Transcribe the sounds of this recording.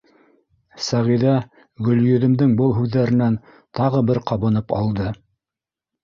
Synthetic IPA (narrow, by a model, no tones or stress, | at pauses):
sæʁiðæ | ɡɵ̆ljɵ̆ðɘ̆md̪ɘŋbɤlˠɦʉðːæɾɘ̆næn | t̪ɑʁɤbɘɾqɑβɤ̆nɤpɑ̰lˠd̪ɤ